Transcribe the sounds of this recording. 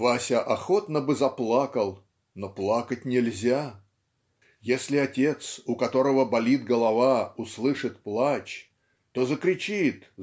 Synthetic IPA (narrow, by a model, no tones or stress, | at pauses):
vasʲəʔɐxo̞t̪nəbɨzɐplˠakəlˠ | noplˠakətʲnʲɪlʲzʲa | jesʲlʲɪɐtʲe̞t̪sʊkɐt̪o̞ɾəvəbɐlʲid̪ɡəlˠɐvaʊslˠɨʂɨt̪̚plˠat͡ɕ | t̪o̞zəkɾʲɪt͡ɕit̪